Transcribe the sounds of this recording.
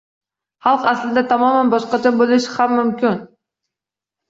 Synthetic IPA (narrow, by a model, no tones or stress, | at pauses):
χɑlˠqæslɪd̪ɛt̪ʰɑmɒmænbɒʃqɑt͡ʃʰɑbolˠɪʃhamːʊmkʲɪn